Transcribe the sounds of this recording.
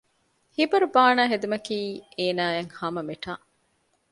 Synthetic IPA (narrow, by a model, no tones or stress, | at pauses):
hibɐɾubaːnaːɦed̪umɐkiːeːnaːjeŋhɐmɐmeʈaː